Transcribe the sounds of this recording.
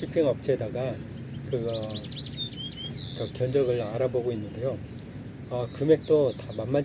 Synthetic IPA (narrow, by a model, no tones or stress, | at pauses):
ipʰiŋʌp̚t͡ɕ͈e̞daɡa | kɯʌ | kʌkjʌnd͡ʑʌɡɯɭaɾaboɡoinːɯnde̞jo | ʌkɯme̞k̚t͈otamanmːa